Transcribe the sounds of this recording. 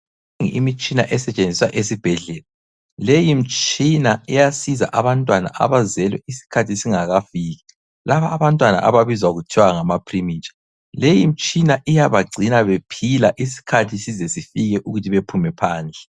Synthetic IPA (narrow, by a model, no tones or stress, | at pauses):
ŋḭmit͡ʃʼina̰ʔɛsɛt͡ʃʼend͡zʱiswaʔesib̥ʱɛɮɛːla | lejim̩t͡ʃʼinaɛjasiza̰ʔaβantʼwana̰ʔa̰βazɛlwɛ̰isi̥kʰatʰisiŋaɣafiːɣɛ | laβaːβantʼwana̰ʔa̰βaβizwaɣutʰiwaŋamapʰrimiːt͡ʃḁ | lejim̩t͡ʃʼinaʔijaβaɡ͡ǀʱinaβepʰilaʔisi̥kʰatʰisizɛsifiɣɛʔuɣutʰiβepʰumɛpʰaːnd͡ɮʱɛ